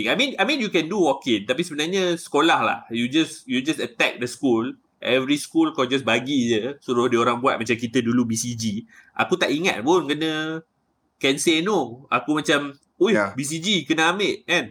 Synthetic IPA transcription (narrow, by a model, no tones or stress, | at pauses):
ajmĩnajmĩnjukɛ̃nduwɔkɪnt̪apisəbənarɲãsə̥kolahla̰hjud͡ʒasjud͡ʒasət̪ɛk̚dəskul | ʔɛvɾiskulkɔd͡ʒas̬baɡid͡ʒəsuɾʊhdioɾaŋbua̰t̪̚mat͡ʃamkit̪ədulubisid͡ʒiʔa̰kut̪aʔiŋa̰t̪̚bʊnkənə̃ | kɛnsenoakumat͡ʃam | ujbis̬id͡ʒikənaaməʔ̚ɛ̃n